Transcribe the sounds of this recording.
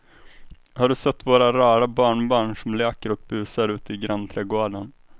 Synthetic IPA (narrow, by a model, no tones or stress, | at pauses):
haɖɵsɛt̪ːvoːɾaɾɑːɾabɑːɳbɑːɳʂɔmlɛːkəɾɔk̚bʉ̟ːsaɾʉ̟ːt̪əɪɡɾant̪ʰɾɛːɡoːɖən